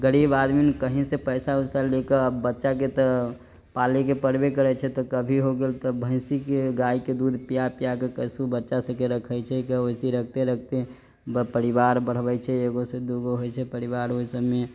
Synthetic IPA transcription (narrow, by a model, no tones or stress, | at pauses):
ɡəɽibad̪minkəɦĩsepəjsausalekəəbːətːʃaket̪ɔ | palekepəɾbekəɾɛt͡ʃʰɛt̪ɔkəbʱiɦoɡelt̪ɔbʱə̃ɪ̃sikeɡaiked̪ud̪ʱpijapijakekəsubətːʃasə̃keɾəkʰət͡ʃʰɛikəosiɾək̚ʰt̪eɾək̚ʰt̪e | bəpəɾiʋaɾbəɽ̤bɛt͡ʃʰɛeɡosed̪uɡoɦojt͡ʃʰɛpəɾiʋaɾɦoisəbme